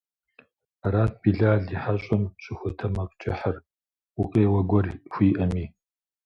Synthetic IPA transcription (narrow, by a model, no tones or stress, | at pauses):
raːt̚b̥iːɮaːɮdiħaɕʼɐmɕʼɪxʷʊtʰɐmɐqʼt͡ʃʼɪħər | ʊqʼeːwɐɡʷɔrxʷiːʔɐmiː